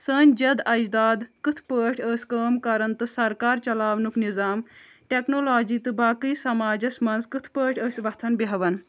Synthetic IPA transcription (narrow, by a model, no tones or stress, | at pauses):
səːnʲd͡ʒɐd̪ɐd͡ʒd̪aːd̪kɨt̪ʰpəːʈʰəːsʲkəːmkɐɾɐnt̪ɨsɐɾkaːɾt͡ʃɐlaːʋnuknizaːm | ʈeknoːlaːd͡ʒiːt̪ɨbaːkɨːsɐmaːd͡ʒɐsʲmɐnzkɨt̪ʰpəːʈʰəːsʲʋɐt̪ʰɐnbiɦɐʋɐn